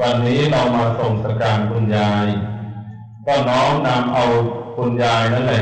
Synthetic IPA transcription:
wa˧nːiː˦˥ɾa˧wmaː˧so˨˩ŋsa˧kaː˧nkʰu˧njaː˧j | kɔː˥˩nɔː˦˥ŋna˧mʔa˧wkʰu˧njaː˧jna˦˥nla˨˩

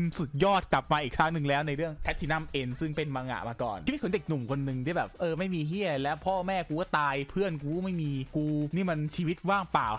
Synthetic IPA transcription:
msu˨˩t̪̚jɔː˥˩t̪̚kla˨˩p̚maː˧ʔiː˨˩k̚tʰaː˦˥ŋnɯ˨˩ŋlɛː˦˥wna˧jɾɯ˥˩əŋt̪ʰɛ˦˥t̪ʰːiː˧˩na˥˩mʔe˧nsɯ˥˩ŋpe˧nmaː˧ŋa̰˨˧˩maː˧kɔ̰ː˨˩n˧˩˧i˧˥kʰo˧˦de˨˩k̚nu˨˩mkʰo˧nːɯ˨˧ŋt̪ʰiː˥˩bɛː˨˩p̚ʔɤː˧ma˥˩jmiː˧ɦi˥˩ɐlɛ˦˥wpʰɔː˥˩mɛː˥˩kuː˧kɔː˥˩t̪aː˧jpʰɯ˥˩ənkuː˧˥˦ma˥˩jmiː˧kuː˧niː˥˩ma˧nt͡ɕʰiː˧wi˦˥t̪̚waː˥˩ŋpaː˨˩w

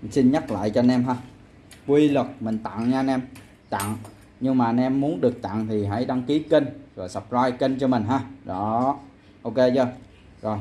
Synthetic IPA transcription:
si˧nɲa˦˥t̚la̰ː˧˨jt͡ɕɔ˧nɛ˧mɦaː˧ | kwi˧lə˨˩k̚mï˨˩ŋ̟t̪a̰˧˨ŋɲaː˧nɛ˧m | t̪a̰˧˨ŋ | ɲɨ˧ŋmaː˨˩nɛ˧mːu˨˦ənɗɨ˨˩ək̚t̪a̰˧˨ŋt̪ʰi˨˩ɦa̰˧˥jɗa˧ŋki˨˦kə˧nzo˨˩jsə˨˩p̚zaː˧jkə˧nt͡ɕɔ˧mï˨˩ŋ̟ɦaː˧˩zɔ˨˦ | ʔo˧ke˧zɔ˧˩j | zo˨˩j

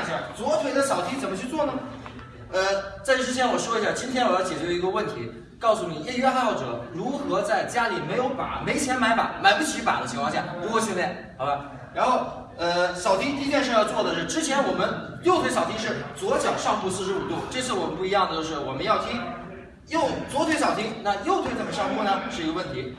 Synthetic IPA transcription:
ʈ͡ʂə˨˩t͡swɔ˧˥t̪ʰwe˧˥ɪd̪ə˧ɕjɑ˨˩ʊt̪ʰi˥t͡sə˨˩nmə˦t͡ɕʰy˥˧t͡swɔ˥˩nə˩ | ə˧t͡sa˥˧ɪʈ͡ʂʂɻ̩˥t͡ɕʰjɛ˧˥nwɔ˨˩ʂwɔ˥i˧˥ɕja˥˩t͡ɕi˥nt̪ʰjɛ˥nwɔ˨˩jɑ˥˩ʊt͡ɕjɛ˨˩t͡ɕɥɛ˧˥i˧˥t̪wɔ˥˧wə˥˩nt̪ʰḭ˧˥ | kɑ˥˩ʊsu˥˩ni˨˩ɛ˥˩ɥɛ˥a˥˧˥ʊʈ͡ʂɤ̰˨˧˥ɻu˧˥xɤ˧˥t͡sa˥˩ɪt͡ɕja˥li˨˩me˧˥ɪjo˧˥ʊpa̰˨˩˦me˧˥ɪt͡ɕʰjɛ˧˥nma˧˥ɪpa̰˨˩˥ma˨˩ɪpu˥t͡ɕʰy˧˥pa̰˨˩d̪ət͡ɕʰi˧˥ŋʰwʰɑ˥˧ŋɕja˥˩ɔ˧˥kɔ˥t͡ɕʰi˥ɛ˥˩ | xɑ˨˩ba˧˥ | ɻa˧˥nxo˥˩ʊ | ə˧ɕjɑ˨˩ʊt̪ʰi˥ŋt̪̬i˥˧˥t̪jɛ˥˧nʂɻ̩˥˧jɑ˥˧ʊt͡swɔ˥˩d̪ə˩ʂɻ̩˥˩ʈ͡ʂɻ̩˥t͡ɕʰjɛ˧˥nwɔ˨˩mə˦njo˥˩ʊt̪ʰwe˧˥ɪɕjɑ˨˩ʊt̪i˥ŋʂɻ̩˥˩t͡swɔ˧˥t͡ɕjɑ˨˩ʊʂɑ˥˧ŋpu˥˧sɹ̩˥˩ʂɻ̩˧˥u˨˩t̪u˥˩ʈ͡ʂɤ˥˧t͡sʰɹ̩˥˩wɔ˨˩mə˦npu˥˩i˧˥jɑ˥˩ŋd̪ə˩t͡ɕjo˥˧ʊʂɻ̩˥˩wɔ˨˩mə˦njɑ˥˩ʊt̪ʰi˥ŋ | jo˥˩ʊt͡swɔ˧˥t̪ʰwe˧˥ɪɕjɑ˨˩ʊi˥ŋna˥˧jo˥˧ʊt̪ʰwe˥˧ɪt͡sa˥˩mə˩ʂɑ˥˧ŋpu˥˩nə˧ʂɻ̩˥˩i˧˥ɡə˧wə˥˩nt̪ʰi˧˥

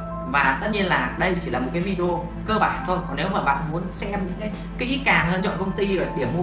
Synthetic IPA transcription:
vaː˨˩t̪ə˦˥t̚ɲi˧ənlaː˨˩ɗə˧jt͡ɕi˧˩laː˨˩mo˨˩t̚kaː˨˦vi˧ɗo˧ | kəː˧ɓaː˧˩nt̪ʰo˧jkɔ˨˩ne˨˦wmaː˨˩ɓa̰ː˧˨nmu˨˦ənsɛ˧mɲɨ̰˧˥ŋkaː˨˦j | kaː˨˦jki˦˥t̚kaː˨˩ŋhəː˧nt͡ɕɔ̰˧˨kə˧wŋ͡mt̪i˧ə˨˩ɗi˧˩əmu˧

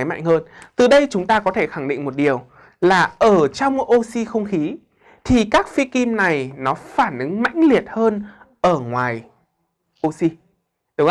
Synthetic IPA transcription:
jma̰˧˨jŋ̟həː˧nt̪ɨ˨˩ɗə˧jt͡ɕʊ˨˦ŋ͡mt̪aː˧kɔ˨˦t̪ʰe˧˩xa˧˩ŋɗḭ˧˨ŋ̟mo˨˩t̚ɗi˨˩əw | laː˨˩ʔəː˧˩t͡ɕɔ˧wŋ͡mʔo˧si˧xə˧wŋ͡mxi˨˦ | t̪ʰi˨˩kaː˦˥k̚fi˧ki˧mna˨˩jnɔ˨˦faː˧˩nʔɨ˨˦ŋma̰˧˥jŋ̟li˨˩ət̚həː˧n | ʔəː˧˩ŋwaː˨˩j | ʔo˧si˧ | ɗʊ˨˦ŋ˧

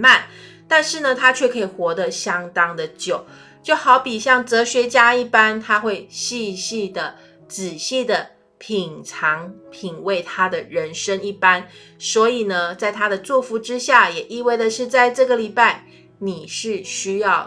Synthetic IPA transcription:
ma˥˨n | t̪a˥˧nʂɻ̩˥˩nə˩t̪ʰa˥t͡ɕʰɥɛ˥˩kʰɤ˧˥i˨˩xwɔ˧˥d̪ə˧ɕjɑ˥ŋt̪ɑ˥ŋd̪ə˨t͡ɕjo˨˩˦ʊ | t͡ɕjo˥˩ʊxɑ˧˥ʊpi˨˩ɕjɑ˥˩ŋt͡sɤ˧˥ɕɥɛ˧˥t͡ɕja˥i˥˩pa˥nt̪ʰa˥xwe˥˧ɪɕi˥˧ɕi˥˩d̪ə˩ | t͡sɻ̩˨˩ɕi˥˩d̪ə˩ | pʰi˨˩ŋʈ͡ʂʰɑ˧˦˥ŋpʰi˨˩ŋwe˥˩ɪt̪ʰa˥d̪ə˨ɻə˧˥nʂə˥ŋi˥˩pa˥n | swɔ˧˥i˨˩nə˩t͡sa˥˩ɪt̪ʰa˥ɾə˨t͡swɔ˥˩fu˧˥ʈ͡ʂɻ̩˥ɕja˥˩jɛ˨˩ʔi˥˧we˥˩ɪd̪ə˨ʂɻ̩˥˧t͡sa˥˧ɪʈ͡ʂɤ˥˩ɡə˨li˨˩pa˥˩ɪ | ni˨˩ʂɻ̩˥˩ɕy˥jɑ˥˩ʊ

